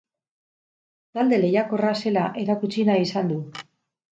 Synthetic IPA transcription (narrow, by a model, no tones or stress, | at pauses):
t̪ald̪e̞le̞jako̞rase̞laʔe̞ɾakut͡sinaisand̪u